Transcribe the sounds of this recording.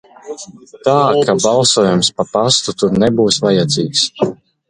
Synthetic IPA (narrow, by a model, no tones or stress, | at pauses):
t̪aːkʰabalˠsuɔjumspapast̪ut̪uɾnɛbuːsvajad̪ziːks